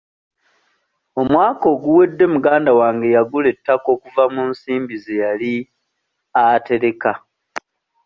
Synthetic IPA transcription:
o̞mwaːko̞ːɡuwe̞dːe̞muɡaːndawaːŋɡe̞jaɡule̞tːako̞ːkuvamunsiːmbize̞jali | ate̞ɾe̞ka

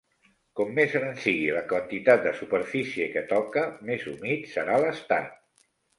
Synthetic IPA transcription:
kɔmːezɾənsiɣiləkwənt̪it̪at̪̚d̪əsupəɾfisiekət̪ɔkəmezumit̪səɾaləst̪a̰t̪

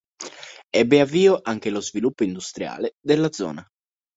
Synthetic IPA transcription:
ɛbːeavːiːoʔaŋk̟elozvilupːoind̪ust̪ɾja̰ːled̪elːad̪zːɔ̰ːna

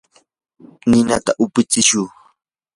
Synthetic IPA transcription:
nɪnat̪aʔʊpɪt͡sɪʃʊː

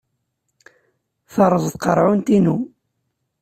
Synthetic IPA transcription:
θɑɾˤəðˤðqəɾˤʕʊnt̪inu

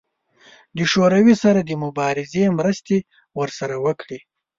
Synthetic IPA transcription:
d̪əʃoɾawisaɾad̪əmʊbɑɾɪzemɾəst̪e | wəɾsaɾawəkɽi

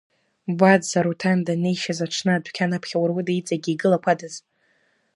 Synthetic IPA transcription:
badzaɾutʰandane̞jʃazaʈ͡ʂʰnɨadʷkʲʰanapʰχʲawarwɨdait͡sʼaɡʲiːɡɨlakʷʰadaz

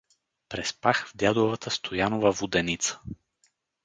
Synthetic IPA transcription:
pɾɛspaxvd̪ʲjad̪ovat̪əst̪ʰojanovəvud̪ɛnit̪sə̥

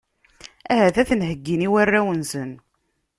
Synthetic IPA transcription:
æɦæθæθənhəɡːiniwærːæwənsən

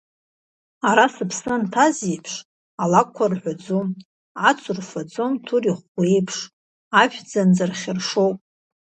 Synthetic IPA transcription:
aɾasɨpʰsɨntʰazipʰʂ | alakʷʰːarħʷad͡zom | at͡sʷʰʊrfad͡zomtʰuriχʷejpʰʂ | aʃᶣd͡zand͡zarχʲɪrʂowp̚ʼ

